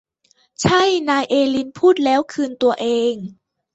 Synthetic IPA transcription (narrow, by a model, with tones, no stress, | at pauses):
t͡ɕʰa˥˩jnaː˧jʔeː˧li˧npʰuː˥˩t̪̚lɛː˦˥wkʰɯː˧nt̪u˧ɐʔeː˧ŋ